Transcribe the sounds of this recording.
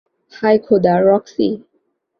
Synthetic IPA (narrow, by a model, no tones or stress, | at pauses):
hajkʰod̪aɾɔksḭ